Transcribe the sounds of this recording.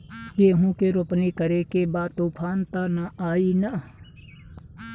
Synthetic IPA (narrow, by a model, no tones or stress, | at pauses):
keːɦũkeɾʊpnikəɾekebaːt̪upʰaːnt̪anaaːina